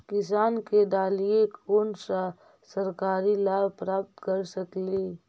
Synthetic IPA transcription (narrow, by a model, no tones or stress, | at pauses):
kɪs̬aːnked̪aːlijekoːnsa | sɐɾkaːɾilaːbpɾaːp̚t̪kəɾsɐkliː